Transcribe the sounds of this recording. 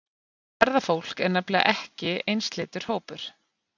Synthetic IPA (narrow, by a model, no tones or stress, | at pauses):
vɛɾðafowl̥kɛɾnɛplɪa̰ʔɛhcɪejnst̪lɪːt̪ʏɾ̥hoːwpʏɾ̥